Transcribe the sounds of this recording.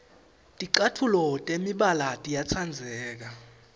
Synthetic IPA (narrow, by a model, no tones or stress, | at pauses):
tʼiǃatʰulɔtʼemiɓalatʼijat͡sʰand͡zʱɛːk̬a